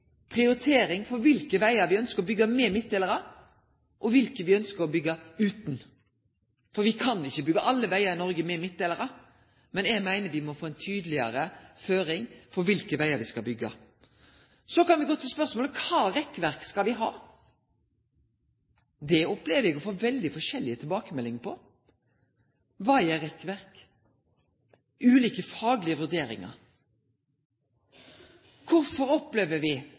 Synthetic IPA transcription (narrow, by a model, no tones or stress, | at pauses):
pʰʁɪʊɾɪt̪ʰeːɾɪŋfɔɾʋɪlkəʋæɪəɾʋɪœnskəɾɔbʏɡːɑmɛmɪt̪̚d̪eːləɾə | ʔɔʋɪlkəʋɪœnskəɾɔbʏɡːəʉːt̪n̩ | fɔɾʋɪkʰɑnɪçːəbʏɡːəʔɑlːəʋæɪəɾɪnɔɾɡəmɛmɪt̪̚d̪eːləɾə | mɛnɛɡmæɪnəɾʋɪmɔfoːɛnt̪ʰyːd̪əlɪə̰ɾəføːɾɪŋfɔɾʋɪlkəʋæɪəɾʋɪskɑlbʏɡːɑ̰ | sɔkɑnʋɪɡoːt̪ʰɪlspœɾsmɔːləkʰɑːɾɛkːʋæɾkskɑlʋɪɦɑ̰ː | d̪ɛɔpleːʋəɾɛɡɔfoːʋɛld̪ɪfɔʂɛlːɪət̪ʰɪlbɑːkəmɛlːɪŋpʰɔ | ʋɑɪæɾɛkːʋæɾk | ʉːliːkəfɑːɡlɪəʋʉɾd̪eːɾɪ̰ŋɑ̰ɾ | kʰʊɾfɔɾɔplɛʋəɾʋɪ